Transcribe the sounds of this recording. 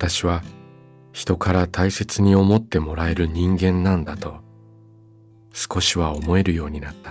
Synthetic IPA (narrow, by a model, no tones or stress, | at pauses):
at̪aɕiβ̞a | çi̥t̪o̞kaɾat̪aise̞t͡sɨɲ̟io̞mo̞t̪ːe̞mo̞ɾae̞ɾɯ̟ɲ̟ĩŋɡẽ̞nːãnd̪at̪o̞ | sɨ̥ko̞ɕiβ̞ao̞mo̞e̞ɾɯ̟jo̞ːɲ̟inat̪ːḁ